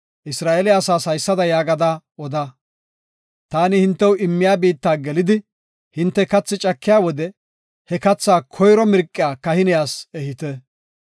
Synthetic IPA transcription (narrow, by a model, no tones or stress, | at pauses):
ʔɪsɾaːʔɛlɪɐsaːsɐjsːɐd̪ɐjaːɡɐd̪aːɔd̪ɐ | t̪aːnɪhɪnt̪ːɛwʊʔɪmːɪjaːbiːt̪ːaːɡɛlɪd̪ɪ | hɪnt̪ːɛkɐt͡sːɪt͡ʃʼɐkːɪjaːwɔd̪ɛ | hɛkɐt͡sːaːkʰɔjɾɔmɪɾkʼːɪjaːkɐhɪnɪjaːsɛhɪt̪ɛ